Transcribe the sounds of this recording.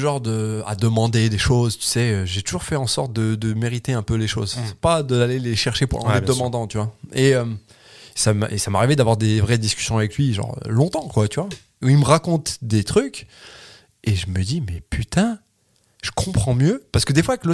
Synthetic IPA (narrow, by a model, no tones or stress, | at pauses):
ʒɑ̃ʁd̪əa̰d̪əmɑ̃d̪ed̪eʃozt̪y̥sɛøʒet̪uʒuʁfɛɑ̃sɔʁt̪̚d̪əd̪əmeʁit̪eɛ̃pøleʃo̰zɛ̥pad̪əaleleʃɛʁʃepuʁɑ̃ed̪əmɑ̃d̪ɑ̃t̪yvwaeøm | samʔesama̰ʁived̪avwaʁd̪evʁɛd̪iskʲy̥sjɔ̃avɛklɥiʒɑ̰̃ʁ̰lɔ̃t̪ɑ̃kwat̪yvwa | uilməʁakɔ̃t̪d̪et̪χykʲ | eʒəməd̪imɛpyt̪ɛ̃ | ʒ̥ə̥kʰɔ̃pχɑ̃mjøpasə̥kəd̪efwaklə